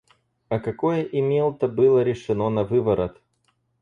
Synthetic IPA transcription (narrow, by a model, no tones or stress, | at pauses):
ɐkɐko̞jəʔɪmʲelˠt̪əbɨlˠəɾʲɪʂɨno̞nɐvɨbəɾət̪